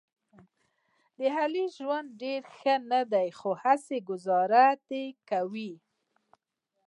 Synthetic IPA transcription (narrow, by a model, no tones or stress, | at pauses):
d̪əɦaliʒwand̪̚ɖeɾxənad̪ajxohaseɡʊzɑɾat̪ekawi